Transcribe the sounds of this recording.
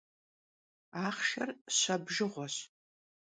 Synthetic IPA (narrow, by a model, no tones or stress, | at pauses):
aːχʃɐrɕɐbʒɨʁʷɔɕ